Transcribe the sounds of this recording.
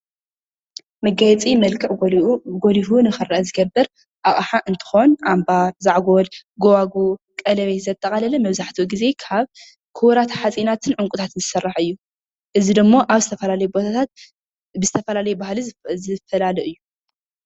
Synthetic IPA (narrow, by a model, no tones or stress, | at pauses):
mɐɡajɛt͡sʼimɐlkʰʼɨʕɡolifunɨxɨɾɐʔɐzɨɡɐbːɨɾ | ʔaχʼħaʔɨnt̪ʰɨ̥xo̞nʔambaɾzaʕɡo̞lɡowaɡu | kʼɐlɐβet̪zɐt̪ʼːɐɐlɐlɐmɐβzaħt̪ʰuɡize̞kʰaβ | kʰɨwɾat̪ʰħat͡sʼinat̪ʰɨnʕʊŋkʼut̪ʰat̪ɨnzɨsɐrːaħɨjːu | ʔɨzid̪ɨmːo̞ʔaβzɨt̪ʰɐfɐlalɐjubo̞t̪ʰat̪ʰat̪̚ | bɨzɨt̪ʰɐfɐlalɐjubahlizɨfɐlalɨʔɨjːu